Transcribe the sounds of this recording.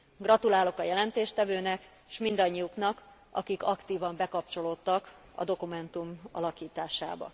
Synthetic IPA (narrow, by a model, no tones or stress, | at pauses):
ɡrɒt̪ulaːlo̞kɒjɛlɛnt̪eːʃt̪ɛvøːnɛk | ʃmind̪ɒɲːiuknɒk | ɒ̰kikɒkt̪iːvɒmbɛkɒp̚t͡ʃo̞loːt̪ːɒk | ɒ̰d̪o̞kumɛnt̪umɒ̰lɒkiːt̪aːʃa̰ːbɒ̰